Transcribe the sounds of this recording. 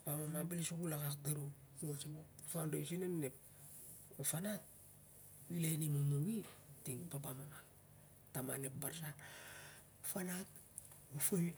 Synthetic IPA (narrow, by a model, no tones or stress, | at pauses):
pamamabilisuɡulakak̚daɾumot͡ʃimofandasinannep̚ | ofanat̚ | wilenimumuwitiŋpapamama | tamanep̚baɾsa | fanat | ufoj